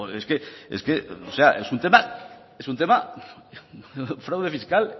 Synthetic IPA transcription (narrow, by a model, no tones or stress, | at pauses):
oeskeḛskeoseaʔesunt̪ema | esunt̪̬ema | fɾawðe̞fiskal